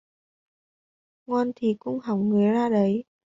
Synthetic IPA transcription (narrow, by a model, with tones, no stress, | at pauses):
ŋɔ˧nt̪ʰi˨˩kʊ̰˧˥ŋ͡mɦa˨˩˦wŋ͡mŋɨ˨˩˦əjzaː˧ɗə˨˦j